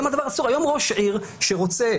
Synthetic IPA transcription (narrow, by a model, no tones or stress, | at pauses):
mad̪avaʁasuʁajo̞mʁo̞ʃʕiʁ | ʃeʁo̞t͡se